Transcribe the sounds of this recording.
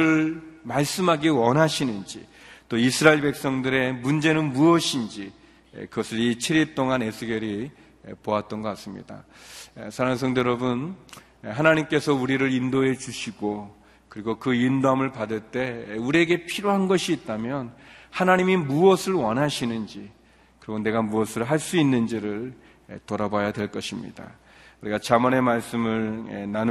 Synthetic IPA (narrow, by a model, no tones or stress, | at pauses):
ɯɭmaɭs͈ɯmɦaɡiwʌnɦaɕʰinɯnd͡ʑḭ | t͈oisʰɯɾaiɭpe̞k̚s͈ʌŋdɯɾe̞mund͡ʑe̞nɯnmuʌɕʰind͡ʑi | ḛkɯɡʌsʰɯɾit͡ɕʰiɾiɭt͈oŋanesʰɯɡeɾi | epoat̚t͈ʌnɡʌk͈as͈ɯmɲḭda̰esʰaɾaŋs̬ʰʌŋdʌɾʌbɯn | ɦanaɲimk͈e̞sʰʌuɾiɾɯɾindoɦe̞t͡ɕuɕʰiɡo | kɯɾiɡokɯindoɦamɯɭpadɯɭt͈e̞uɾie̞ɡe̞pʰiɾjoɦanɡʌɕʰiːt̚t͈amjʌnhanaɲimimuʌsʰɯɭwʌnɦaɕʰinɯnd͡ʑi | kɯɾʌɡone̞ɡamuʌsʰɯɭɦaɭs͈uinːɯnd͡ʑiɾɯɭ | etoɾabajadwe̞ɭk͈ʌɕʰimɲḭda̰ | kuɾiɡat͡ɕamʌne̞maɭs͈ɯmɯɭḛnan